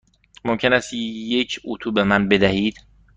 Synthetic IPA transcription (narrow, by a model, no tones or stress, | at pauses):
momcʰe̞næst̪ːjecʰut̪ʰuːbe̞mænbe̞d̪æhiːd̪̥